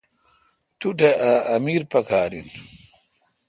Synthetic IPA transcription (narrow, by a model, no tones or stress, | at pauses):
t̪uʈeaɐmiːɾpɐkʰaːɾḭn